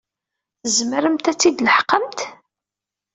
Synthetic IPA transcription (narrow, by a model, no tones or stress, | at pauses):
θəzməɾəmt̪æt͡sːid̪ləħqːəmt̪